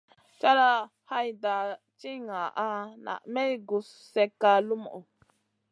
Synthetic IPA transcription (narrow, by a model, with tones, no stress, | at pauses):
t͡ʃa˦ɾa˦ | ha˦jda˨ | t͡ʃi˦ŋa˨ʔa˦na̰˨ʔmɛ˦jɡu˨s | sɛ˦kːa˦lu˦mɔ̰˨ʔo˨